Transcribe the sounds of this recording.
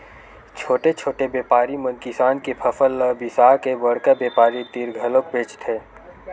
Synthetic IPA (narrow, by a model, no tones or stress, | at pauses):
t͡ʃʰoːʈet͡ʃʰoːʈebeːpaːɾimə̃nkisaːnkepʰɐfələbisaːkebəɽkabeːpaːɾit̪iɾɡʱəlokbʱeːt͡ʃt̪ʰeː